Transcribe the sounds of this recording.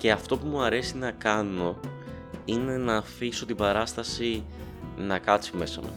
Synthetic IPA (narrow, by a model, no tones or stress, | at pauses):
ce̞ɐft̪o̞pumuɐɾe̞sinɐkɐno̞ | ine̞nɐːfiso̞t̪ibɐɾɐst̪ɐsi | nɐkɐt̪t͡sime̞sɐ̰mṵ